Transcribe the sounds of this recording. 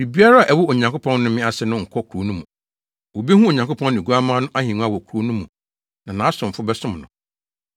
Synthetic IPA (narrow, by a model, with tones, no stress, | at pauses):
ɾi˨bi˦a˦ɾa˦a˨ʔɛ˨wʊ˦o˨ɲã˨ŋkʊ˦pʰɔ̃˦nnʊ̃˦mɪ̃˦a˨sɛ˨nʊ̃˦˨ŋ̩˨kʰɔ˦kʰo˨˦nũ˦mũ˨ | wo˨be˦hũ˦o˨ɲã˨ŋkʰo˦pʰɔ̃˦n˦ñ˨ɡu˦a˦mãː˦nʊ̃˦ʔa˦hĩ˨nũ˦a˦wɔ˨kʰu˨ɾo˦nʊ̃˦mũ˨ | nã˨nã˨˦sʊ̃˨m̩˨fʊ˦bɛ˦sʊ̃˦mnʊ̰̃˨